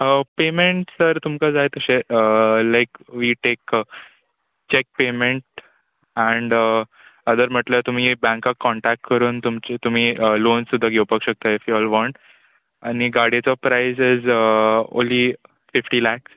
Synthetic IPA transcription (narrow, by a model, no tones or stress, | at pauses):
əpemẽɳʈsəɾt̪umkad͡zajt̪əɕeəlajkʋiʈek | t͡ɕek̚pemẽɳʈ | æ̃ɳɖə | əd̪əɾm̤əʈlət̪um̤iːbæ̃ŋkakːɔɳʈæk̚ʈkəɾuːnt̪umt͡ɕet̪um̤iːəlonssud̪ʱːaɡewpəkɕək̚t̪aifjuɔlʋɔ̃ɳʈ | añiɡaɽjet͡sɔpɾajsɪz | õ̰nlːiː | fifʈiːlæks